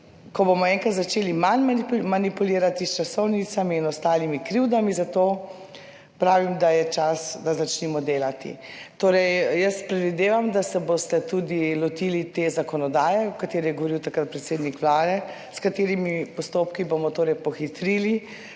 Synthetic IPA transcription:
kɔbomɔɛːŋkat̪zat͡ʃeːlimanmamanipuleːɾat̪ist͡ʃasɔwnit̪samiːnɔst̪aːlimikɾiwd̪amizat̪oː | pɾaːʋimd̪ajɛt͡ʃasd̪azat͡ʃnimɔd̪eːlat̪ḭt̪oːɾɛjjəspɾɛd̪ʋid̪eːʋamd̪asɛbost̪ɛt̪uːd̪ilɔt̪ilit̪ezakɔnɔd̪aːjɛɔkat̪eːɾɛjɛɡoʋɔɾiwt̪akɾat̪̚pɾɛt̪seːd̪nikʋlaːd̪ɛ | skat̪eːɾimipɔst̪oːpkibomɔt̪oːɾɛjpɔxit̪ɾiːli

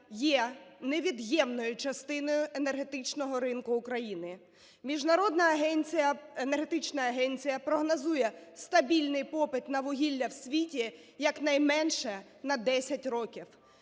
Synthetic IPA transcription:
jɛneʋʲid̪jɛmnɔjʊt͡ʃɐst̪ɪnɔjʊʔenerɦet̪ɪt͡ʃnɔɦɔɾɪnkʊːkɾɐjinɪ | mʲiʒnɐɾɔd̪nɐːɦɛnʲt͡sʲijɐenerɦet̪ɪt͡ʃnɐːɦɛnʲt͡sʲijɐpɾɔɦnɐzujɛst̪ɐbʲilʲnɪjpɔpɪt̪nɐʋʊɦʲilʲːɐwsʲʋʲitʲi | jɐknɐjmɛnʃɛ | nɐd̪ɛsʲɐtʲrɔkʲiw

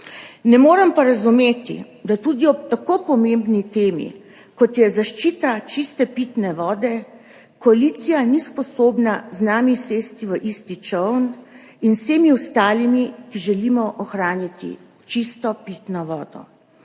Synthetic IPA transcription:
nɛmoːɾɛmpaɾazumeːt̪ḭ | d̪at̪ud̪iɔpt̪akopɔmembnit̪eːmḭ | kɔt̪jɛzaʃt͡ʃiːt̪at͡ʃist̪ɛpit̪nɛʋɔːd̪ɛ | kɔalit̪sijanispɔsoːbnaznaːmiseːst̪iʋəʔist̪it͡ʃɔwn | inseːmiwst̪aːlimikiʒɛlimɔʔɔxɾaːnjat̪ḭ | t͡ʃist̪ɔpit̪nɔʋɔːd̪ɔ̰

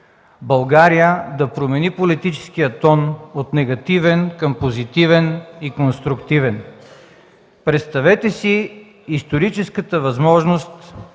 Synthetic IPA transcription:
bɐlˠɡaɾijəd̪ɐpɾomɛnipolit̪it͡ʃɛ̥skijət̪ɔnot̪nɛɡɐt̪ivɛnkɐmpozit̪ivɛnikonst̪ɾʊkt̪ivɛn | pɾɛt̪st̪ɐvɛt̪ɛsiː | st̪oɾit͡ʃɛskət̪əvɐzmɔʒnost̪

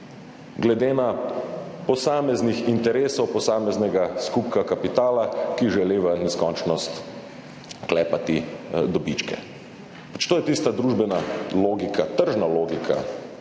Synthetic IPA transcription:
ɡlɛd̪eːna | pɔsaːmɛznixint̪ɛɾeːsɔwpɔsaːmɛznɛɡaskup̚kakapit̪aːlakiʒɛleːʋənɛskɔnt͡ʃnɔst̪ | klɛːpat̪id̪ɔbit͡ʃkɛ̰ | pat͡ʃt̪oːjɛt̪ist̪ad̪ɾuːʒbɛnaloːɡikat̪əɾʒnaloːɡikʰa̰

